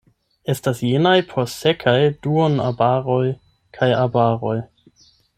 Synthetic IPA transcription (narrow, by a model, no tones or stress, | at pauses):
e̞stasjenajpʰoɾsekʰajd̥uona̰baɾo̞j | kʰajabaɾo̞j